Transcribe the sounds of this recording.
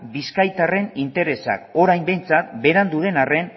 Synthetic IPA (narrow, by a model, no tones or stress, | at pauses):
biskajt̪are̞nint̪e̞ɾe̞sa̰ko̞ɾajmbe̞jnt͡sat̪be̞ɾand̪uðe̞nare̞n